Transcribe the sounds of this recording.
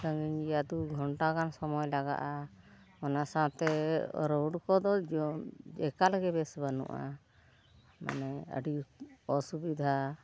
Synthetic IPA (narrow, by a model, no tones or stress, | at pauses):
səŋɡiɲijad̪uɡʱɔɳʈakansɔmɔjlaɡa̰ʔa | ɔnasat̪ɛ̰ɾɔwɖkɔd̪ɔd͡ʒɔmd͡ʒɛkalɡɛbɛsbanṵʔa̰ | ma̰nɛə̰ɖiɔsubid̪ʱa